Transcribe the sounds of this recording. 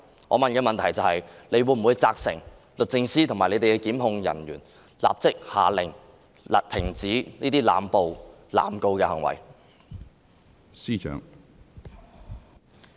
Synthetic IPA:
ŋɔ̰˨˧mɐ˨nkɛː˧mɐ˨nt̪ʰɐ˨˩jt͡sɐ˨whɐ˨jle˨˧jwuː˨˥jm̩˨˩wuː˨˧jt͡saː˧k̚sɪ̰˨˩ŋ | lɵ˨t̚t͡sɪ˧ŋsiː˥t̪ʰʊ˨˩ŋmaː˨˩le˨˧jt̪e˨kɛ˧kiː˨˥mɦʊ˧ŋjɐ̰˨˩njyː˨˩n | la̰ː˨p̚t͡sɪ˥k̚ha̰ː˨lɪ˨˩ŋ | la̰˨t̪ʰɪ˨˩ŋt͡siː˨˥niː˥t̪iː˥la̰ː˨mpo˨w | la̰ː˨mko˧wkɛː˧hɐ˨˩ŋwɐ̰˨˩j | siː˥t͡ʃʰœ̰ː˨˥ŋ

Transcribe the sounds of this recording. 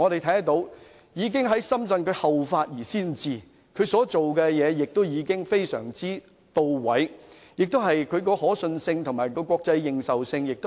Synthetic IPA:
ŋɔː˨˧d̪e˨jt̪ʰɐ˨˥jɐ˥˨t̪o˧˥w | jiː˨˧k̬ɪ˥ŋɦɐ˨˥jsɐ˥msɐ˧nkʰɵ˨˧ɥhɐ˨wfaː˧t̚jiː˨˩siː˥nt͡siː˨ | kʰɵ˨˧ɥsɔː˨˥t͡ʃo˨wkɛ˧jɛː˨˧jɪ˨k̚t̪o˥wjiː˨˧kɪ˥ŋfe˥jsœ̰ː˨˩ŋt͡siː˥ | t̪o˧wwɐ˨˥j | jɪ˨k̚t̪ɦɐ˨jkʰɵ˨˧ɥkɔː˧hɔː˨˥sɵ˧nsɪ˧ŋt̪ʰʊ˨˩ŋmaː˨˩jkɔː˧kʷɔː˧k̚t͡sɐ˧jːɪ˨ŋsɐ˨wsɪ˧ŋjɪ˨k̚t̪o˥

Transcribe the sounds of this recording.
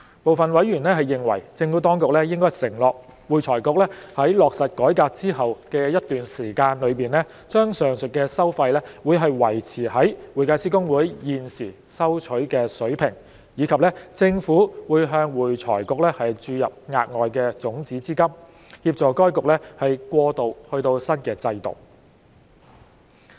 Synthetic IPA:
po˨wfɐ˨nwɐ˨˥jɥyː˨˩nlɛː˥ɦɐ˨jːɪ˨ŋwɐ̰˨˩jt͡sɪ˧ŋfu˨˥t̪ɔː˥ŋkʊ˨k̚lɛ˥jɪ˥ŋkɔː˥jsɪ˨˩ŋlɔː˨k̚ | wuː˨jt͡sʰɔː˨˩jkʊ˨˧k̚lɛː˥hɐ˨˥jlɔː˨k̚sɐ˨t̚kɔː˨˥jkaː˧k̚t͡siː˥hɦɐ˨wkɛ˧jɐ˥tt̪yː˨nsiː˨˩kaː˧nlɵ˨˧ɥpiː˨nlɛ˥ | t͡ʃœː˥ŋsœː˨ŋsɵ˨t̚kɛː˧sɐ˥wfɐ˧jlɛː˥wuː˨˧jɦɐ˨jwɐ˨˩jt͡sʰiː˨˩hɐ˨˥jwuː˨˩jkaː˧t͡siː˥kʊ˥ŋwuː˨˥jjiː˨nsiː˨˩ | sɐ˥wt͡ʃʰɵ˨˥ɥkɛː˧sɵ˨˥ɥpʰɪ˨˩ŋ | jiː˨˧˥kʰɐ˨p̚lɛː˥t͡sɪ˧ŋfuː˨˥wuː˨˧jɦœː˧ŋwuː˨˩jt͡sʰɔ̰ː˨˩jkʊ˨k̚lɛː˥hɐ˨jt͡ʃyː˧jɐ˨p̚ŋa̰ː˨t̚ŋɔː˨jkɛː˧t͡sʊ˨˥ŋt͡siː˨˥t͡siː˥kɐ˥m | hiː˧p̚t͡sɔː˨˩kɔː˥jkʊ˨k̚lɛː˥hɐ˨jkʷɔː˧t̪o˨whɵ˧ɥt̪o˧wsɐ˥nkɛː˧t͡sɐ˧jt̪o̰˨˩w

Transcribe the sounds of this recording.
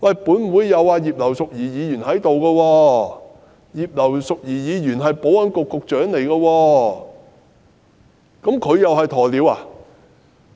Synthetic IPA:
wɐ˨jpuː˨˥nm̩˨uː˨˧˥jːɐ˨˧waː˧jiː˨˩p̚lɐ˨˩wsʊ˨k̚jiː˨˩jiː˨˧jy˨˩nɦɐ˨˥jt̪o˨wkɐː˧wɔː˧ | jiː˨p̚lɐ˨˩wsʊ˨k̚jiː˨˩jiː˨˧jyː˨˩nɦɐ˨jpo˨˥wɐ˨˥nkʊ˨kːʊ˨k̚t͡ʃœː˨˥ŋle˨˩jkɐː˧wɔː˧ | kɐ˨˥mkʰɵ˨˧ɥjɐ˨whɐ˨jt̪ʰɔː˨˩liː˨˥waː˨

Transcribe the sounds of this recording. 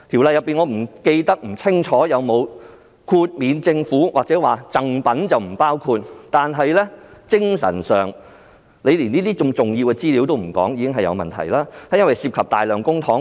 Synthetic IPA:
t̪ʰi˨˩wlɐ˨˧jɐ˨˩pːiː˨nŋɔː˨˧m̩˨˩ke˧jt̪ɐ˥k̚m̩˨˩t͡sʰɪ˥ŋt͡ʃʰɔː˨˥jɐ˨˧wmo˨˧w | kʰuː˧t̚miː˨˧nt͡sɪ˧ŋfuː˨˥waː˨k̚t͡sɛː˨˥waː˨˩t͡sɐ˨˧ŋpɐ˨˥nt͡sɐ˨wm̩˨˩paː˥wkʰuː˧t̚t̪aː˨nɦɐ˨jlɛː˥t͡sɪ˥ŋsɐ̰˨˩nsœː˨ŋ | le˨˧jliː˨˩niː˥t̪iː˥t͡sʊ˧ŋt͡sʊ˨˩ŋjiː˧wkɛː˧t͡siː˥li˨˧wt̪o˥wm̩˨˩kɔ̰ː˨˥ŋjiː˧kɪ˥ŋɦɐ˨jɐ̰˨˧wmɐ̰˨nt̪ʰɐ̰˨˩jlaː˥hɐ˨˥jɐ˥nwɐ˨jsiː˧p̚kʰɐ˨p̚t̪aː˨˩jlœː˨˩ŋkʊ˥ŋt̪ʰɔː˨˥ŋ

